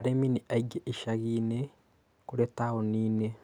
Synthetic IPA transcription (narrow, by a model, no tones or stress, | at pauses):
ɾeminiʔaiɡeʔiʃaɣiːne | kuɾetaɣoniːne